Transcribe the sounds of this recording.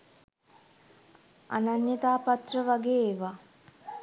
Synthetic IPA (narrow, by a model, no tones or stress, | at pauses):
a̰nanjet̪aːpat̪rəʋaɡeːʋa